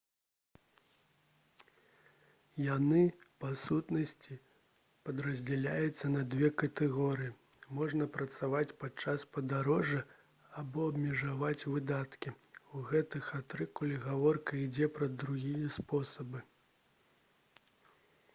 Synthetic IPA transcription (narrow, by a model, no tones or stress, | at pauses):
janɨpasut̪nɐsʲt͡sʲi | pɐd̪ɾɐzʲd͡zʲɛlʲajut̪sːɐnɐd̪vʲɛkɐt̪ɛɣɔɾɨji | mɔʐnɐpɾɐt̪savat͡sʲpat͡ʂaspɐd̪aɾɔʐɐ | abɔɐbmʲɛʐavat͡sʲvɨd̪at̪kʲiuɣɛt̪ɨxat̪ɾɨkulʲiɣavɔrkɐid͡zʲɛpɾɐd̪ɾuɣʲijɐspɔsɐbɨ